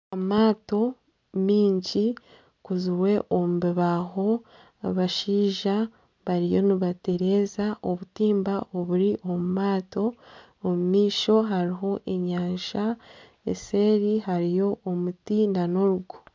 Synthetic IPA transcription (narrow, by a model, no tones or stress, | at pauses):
amaːto̞ | miːɲɟi | kuzuwe̞ʔomubiβaɦo̞ | βaʃiːʒa | βaɾijo̞niβate̞ɾe̞ːzaʔoβutiːmbaʔo̞βuɾiʔo̞mumaːto̞ː | mumiːʃo̞ɦaɾiɦo̞ʔe̞ɲaːʃa | ḛse̞ːɾiɦaɾijo̞ʔomutinano̞ɾuɡu